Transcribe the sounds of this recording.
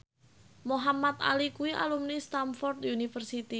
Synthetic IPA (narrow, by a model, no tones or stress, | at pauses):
moɦamat̪a̰likuwiʔa̰lumnist̪amfɔrt̪unifərsit̪i